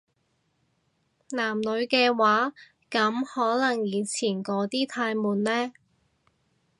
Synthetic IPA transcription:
naː˨˩mlɵ˨˧ɥkɛː˧waː˨˥ | kɐ˨˥mhɔː˨˥lɐ˨˩ŋjiː˨˧nt͡sʰiː˨˩nkɔː˨˥t̪iː˥t̪ʰaː˧jmuː˨nlɛː˥

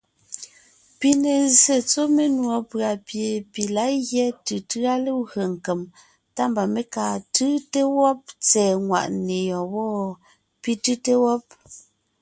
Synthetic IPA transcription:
pi˦ne˨ze˨t͡so˦me˦nwɔ˨pɰa˨pje˨pi˨la˨˦ɣjɛ˦tɯ˨tɯ˦a˦le˦ɣɰə˨ŋ̩˨ke˨m | ta˦mba˨me˦ka˨tɯ˦te˦wɔ˦p̚t͡sɛː˨ŋwa̰˨ʔne˨jɔ˨wɔ˦ | pi˦tɯ˦te˦wɔ˦p̚

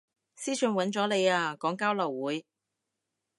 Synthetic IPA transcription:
siː˥sɵ˨˧nwɐ˨˥nt͡ʃɔː˨˥le˨˧jaː˧kɔː˨˥ŋkaː˥wlɐ˨˩wːuː˨˥j

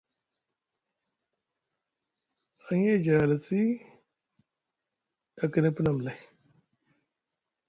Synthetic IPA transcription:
a˨ɲe˦˨d͡ʒa˨ɣa˨la˨t͡si˦ | da˨kə˨nə˦pə˦na˨m˨la˨j

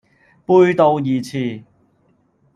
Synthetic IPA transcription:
puː˧jt̪o˧wjiː˨˩t͡sʰiː˨˧

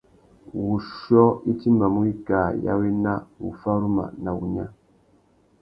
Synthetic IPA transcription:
wu˨ʃɔ˦i˦ti˦ma˨mu˦i˦ka˨ja̰˦we˦na˦wṵ˨fa˦ɾu˦ma̰˨na˨wṵ˨ɲa̰˦

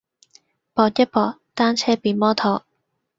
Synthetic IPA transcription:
pɔː˧t̚jɐ˥t̚pɔː˧k̚t̪aː˥nt͡sʰɛː˥piː˨˩nmɔː˥t̪ʰɔː˨˥

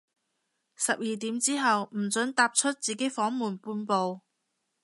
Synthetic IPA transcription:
sɐ˨p̚jiː˨˩t̪iː˨˥mt͡siː˥ɦɐ˨wm̩˨˩t͡sɵ˨˥nt̪aː˧p̚t͡ʃʰɵ˥t̚t͡siː˨ke˨˥jfɔː˨˥ŋmuː˨˩npuː˧npo˨w

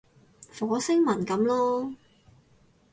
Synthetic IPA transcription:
fɔː˨˥sɪ˥ŋmɐ˨˩nkɐ˨˥mlɔː˥

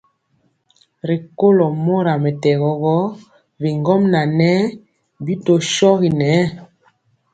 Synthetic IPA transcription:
ɾi˨ko˦lɔ˨mo˦ɾa˨mɛ˨tɛ˨ɣɔ˨ɣɔ˦ | vi˨ŋɡɔ˦mna˨nɛ˦ | bi˦to˨ʃɔ˦ɣi˨nɛ˨˦

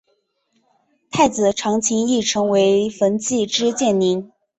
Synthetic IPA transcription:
t̪ʰa˥˩ɪt͡sɹ̩˨˩ʈ͡ʂʰɑ˧˥ŋt͡ɕʰi˧˥ŋi˥˩ʈ͡ʂʰɤ˧˥ŋwe˧˥ɪfə˧˥nt͡ɕi˥˩ʈ͡ʂɻ̩˥t͡ɕjɛ˥˩nni˧˥n

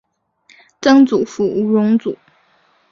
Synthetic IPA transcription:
tɤ˥ŋt͡su˨˩fu˧˥u˧ɻʊ˧˥ŋt͡su˨˩˦

